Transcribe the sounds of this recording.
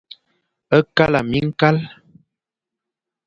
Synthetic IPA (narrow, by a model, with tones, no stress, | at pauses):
ə˦ka˦la˨mi˦ŋ̩˦ka˦l